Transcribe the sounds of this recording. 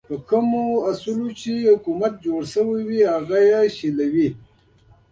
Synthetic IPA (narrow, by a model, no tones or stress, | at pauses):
pəkʰəmoasulot͡ʃehʊkumat̪̚d͡ʒoɽsəwiwihaɣajaɕilawi